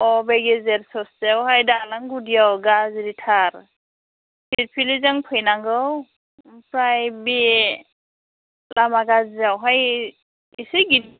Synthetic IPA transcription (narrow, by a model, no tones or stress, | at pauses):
ɔbeɡezɛɾsɔszewɦajdalaŋɡudijawɡaziɾitʰaɾ | sʰit̚pʰilizaŋpʰɯjnaŋɡɯw | pɾajbi | lamaɡaziawɦaj | isiɡi